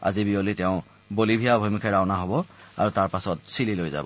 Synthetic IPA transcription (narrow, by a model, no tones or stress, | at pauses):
a̰zibiolitɛʊ̃ | bolibʱijabʱojmukʰɛɹaʊnaɦɔbɔa̰ɹutaɹpasɔt̚sililojza̰bɔ